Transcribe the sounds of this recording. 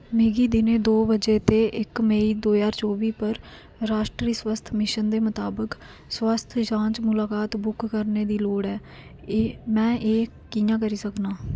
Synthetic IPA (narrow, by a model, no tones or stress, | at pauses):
meːɡiːd̪ɪnẽːd̪oːbəd͡ʒeːt̪eːʔɪkmeiːd̪oːjaːɾt͡ʃoːʋiːpəɾ | ɾaːʃʈɾiːswəst̪ʰmɪʃənd̪eːmət̪aːbək | swəst̪ʰd͡ʒãːt͡ʃmʊlaːkaːt̪bʊkːəɾneːd̪iːloːɽɛː | mɛ̃ːʔeː | kɪjãːkəɾiːsəknaː